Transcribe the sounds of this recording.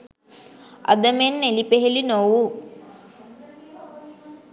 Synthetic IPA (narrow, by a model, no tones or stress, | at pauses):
ɐ̰d̪ɐmenːelipeɦelinowu